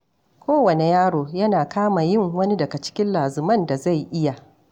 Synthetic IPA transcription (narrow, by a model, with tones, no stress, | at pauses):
kʷʰoː˦wɐ˨ne˨jaː˦ɽoː˨jɐ˦naː˨kaː˦ma˨jɪ˦˨ŋwɐ˦ni˦dɐ˨ɡa˨t͡ʃɪ̥˦kʲɪ˦nlaː˨zʊ˨mɐ˦nda˨za˦˨jʔɪ˦ja˨